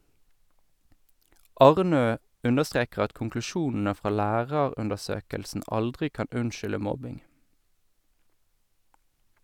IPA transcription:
ˈɑʁˌnøː ˈʉndəˌstʁeːkʁ̩ ˈɑt kʊŋklʉˈʃuːnn̩ə ˈfʁɑː ˈlæːʁəʁʉndəʁˌsøːkəlsn̩ ˈɑldʁɪ ˈkɑn ˈʉnʃʏlə ˈmɔbɪŋ

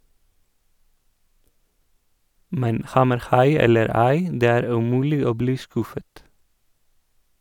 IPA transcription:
ˈmɛn ˈhɑməɾˌhɑɪ ˈɛləɾ ˈæɪ ˈdeː ˈæːɾ ʉˈmʉːlɪ ˈoː ˈbliː ˈskʉfət

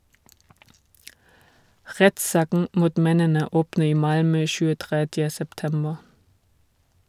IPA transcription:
ˈʁɛtˌsɑːkn̩ ˈmuːt ˈmɛnənə ˈoːpn̩ ˈiː ˈmɑlmœ çʉːəˈtʁɛdjə sɛpˈtɛmbə

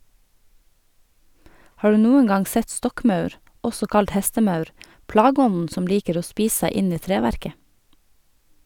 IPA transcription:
ˈhɑː ˈɖʉː ˈnuːəŋ ˈɡɑŋ ˈsɛt ˈstɔkˌmɑʉɾ ˈɔsɔ ˈkɑlt ˈhɛstəˌmɑʉɾ ˈplɑːˌɡɔnn̩ ˈsɔm ˈliːkəɾ ˈoː ˈspiːs ˈsæɪ ˈɪn ˈiː ˈtɾeːʋæɾkə

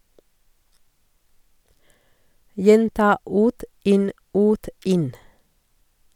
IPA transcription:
ˈjɛntɑː ˈʉːt ˈʔɪn ˈʉːt ˈɪn

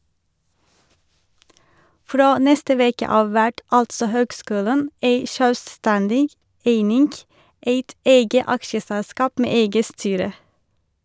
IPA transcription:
ˈfɾoː ˈnɛstə ˈʋeːkə ˈɑːʋ ˈʋæʈ ˈɑltsɔ ˈhøːɡˌskʉːlən ˈeɪ ʃœlˈstɛndɪɡ ˈeɪnɪŋɡ ˈeɪt ˈeɪɡə ˈɑkʃəsælˌskɑːp ˈmeː ˈeɪɡə ˈstyːɾə

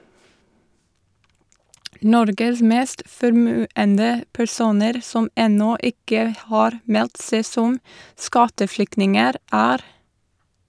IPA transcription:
ˈnɔɾɡəs ˈmeːst fɔɾˈmʉːəndə pæɾˈsuːnəɾ ˈsɔm ˈɛnɔ ˈɪkə ˈhɑːɾ ˈmɛlt ˈseː ˈsɔm ˈskɑtəˌflʏknɪŋəɾ ˈæːɾ

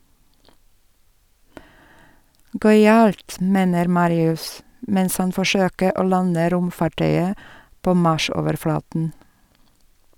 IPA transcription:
ˈɡœʏɑlt ˈmeːnəɾ ˈmɑːɾɪʉs ˈmɛns ˈhɑn fɔˈʃøːkə ˈoː ˈlɑnə ˈɾʊmfɑˌʈœʏə ˈpoː ˈmɑʃ ˈoːʋəɾˌflɑːtn̩

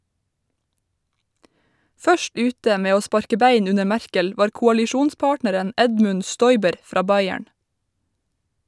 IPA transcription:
ˈfœʃt ˈʉːtə ˈmeː ˈoː ˈspɑɾkə ˈbeɪn ˈʉnə ˈmæɹkəl ˈʋɑːɾ kʊɑlɪˈʃuːnˌspɑːʈnəɾən ˈɛdmʉn ˈstɔʏbəɾ ˈfɾɑː ˈbɑɪæɳ

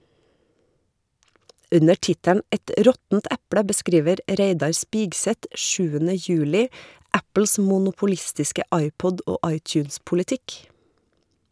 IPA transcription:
ˈʉnə ˈʈɪtæɳ ˈʔɛt ˈɾɔtn̩t ˈʔæpɽə bəˈskɾiːʋəɾ ˈɾeɪdɑɾ ˈspiːɡsɛt ˈʃʉːənə ˈjʉːlɪ ˈæpl̩s mʊnʊpʊˈlɪstɪskə ˈʔɑɪˌpɔdʔ ˈoː ˈʔɑɪˌtjʉːnspʊlɪˌtɪk

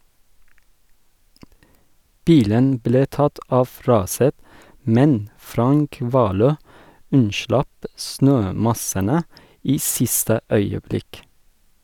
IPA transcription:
ˈbiːlən ˈbleː ˈtɑt ˈɑf ˈɾɑːsət ˈmɛn ˈfɾɑŋk ˈʋɑːˌløː ˈʉnˌʃlɑp ˈsnøːˌmɑsənə ˈiː ˈsɪstə ˈœʏəˌblɪk

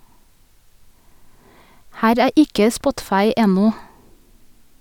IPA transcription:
ˈhæːɾ ˈæː ˈʔɪkə ˈspɔtfɑɪ ˈɛnɔ

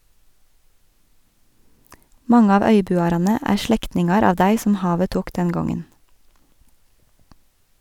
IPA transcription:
ˈmɑŋə ˈɑːʋ ˈœʏˌbʉːɑɾɑnə ˈæː ˈʃɭɛktnɪŋɑɾ ˈɑːʋ ˈdæɪ sm̩ ˈhɑːʋə ˈtuːk ˈdɛn ˈɡɔŋən

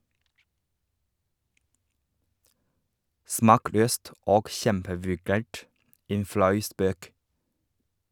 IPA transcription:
ˈsmɑːˌkløːst ˈoːɡ ˈçɛmpəʋʉˌɡæːʈ ˈeːn ˈflɑʉ ˈspøːk

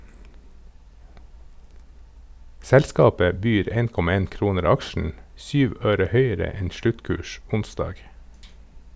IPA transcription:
ˈsɛlskɑːpə ˈbyːɾ ˈeːn ˈkɔmɑ ˈeːn ˈkɾuːnəɾ ˈɑkʃn̩ ˈsyːʋ ˈøːɾə ˈhœʏəɾə ˈɛn ˈʃlʉtˌkʉːʃ ˈʊnsdɑːɡ

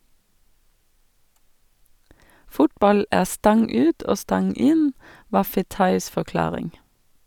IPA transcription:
ˈfʊtbɑl ˈæː ˈstɑŋ ˈʉːt ˈoː ˈstɑŋ ˈɪn ˈʋɑː ˈfeːtɑɪs fɔˈklɑːʁɪŋ

